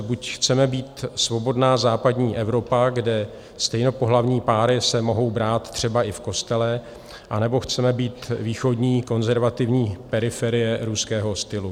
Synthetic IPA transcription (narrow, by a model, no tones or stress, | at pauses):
bucxt͡sɛmɛbiːt̪svo̞bo̞dnaːzaːpadɲiːʔɛvɾo̞paɡdɛ | st̪ɛjno̞po̞ɦlavɲiːpaːɾɪsɛmo̞ɦo̞wbɾaːt̪t̪ːr̝̥ɛbaʔɪfko̞st̪ɛlɛ | ʔanɛbo̞xt͡sɛmɛbiːt̪viːxo̞dɲiːko̞nzɛɾvat̪ɪvɲiːpɛɾɪfɛɾɪjɛɾuskɛːɦo̞st̪ɪlu